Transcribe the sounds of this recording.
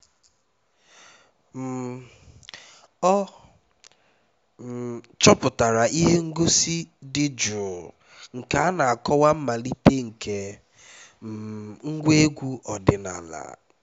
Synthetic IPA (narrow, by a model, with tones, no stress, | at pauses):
m̩˨ | ɔ˦˨ | t͡ʃɔ˦pʊ˨ta˨ɾa˨ʔi˦ɦe˦ŋ̩˦ɡo˦si˦dɪ˦d͡ʒʊ˨ | ŋ̩˨ka˨a˦na˨a˨kɔ˦wa˦m̩˦ma˨li˦te˦ŋ̩˨kʰe˨ | ŋ̩˦ɡʷe˦ɡʷu˦ʔɔ˨dɪ˨na̰˨la̰˨